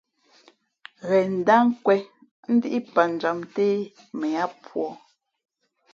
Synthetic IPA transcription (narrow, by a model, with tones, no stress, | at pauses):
ɣɛ˨n̩˨da˦ŋ̩˦kwɛ˦ | n̩˦di˦ʔi˦pa˨n̩˨d͡ʒa˨mteː˦ | mɛ˨a˦pwɔ˨